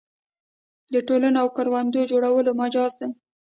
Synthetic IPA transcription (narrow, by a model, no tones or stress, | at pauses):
d̪əʈolanoawkaɾwand̪od͡ʒoɽawəlomad͡ʒɑzd̪e